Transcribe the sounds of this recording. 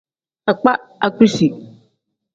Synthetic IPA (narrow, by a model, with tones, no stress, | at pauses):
a˨k͡pa˦a˨ku˦si˨